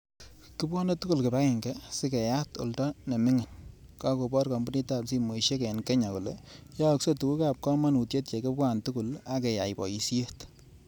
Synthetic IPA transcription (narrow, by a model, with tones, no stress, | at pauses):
kɪ˦pwa˦ne˦tu˦ku˦lkɪ˨ba˦kɛ˨ŋɡɛ˦sɪ˦kɛ˨ja˦to̰˨ltɔ˦ne˨mɪ˦ŋa˨n | ka˦ko˨bɔ˦ɾkɔ˨mbu˦ni˦ta˨psi˦mo˨i˨ʃe˦kɛ˨nkɛ˦ɲa˨ku˨le˨jɔ˦kso˦tu˨ku˦ka˨p̚kɔ˦ma˦nu˨tje˦t̚t͡ʃe˨kɪ˦pwa˦˨ntu˦ku˨la˦kɛ˨ja˨jpɔ̰˨ji˨si˦e˦t